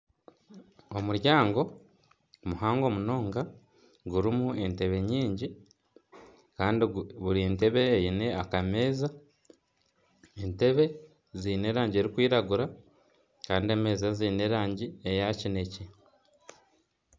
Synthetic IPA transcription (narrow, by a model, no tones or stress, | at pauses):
omuɾjaːŋɡo̞ | muhaːŋɡo̞ːmuno̞ːŋɡa | ɡuɾimue̞nte̞βe̞ɲiːɲɟi | kaːndiβuɾinte̞βe̞ːjine̞akame̞ːza | ente̞βe̞ | ziːne̞ːɾaːɲɟieɾikwiːɾaɡuɾa | kaːndie̞ːme̞ːzaziːne̞ɾaːɲɟie̞jacine̞ce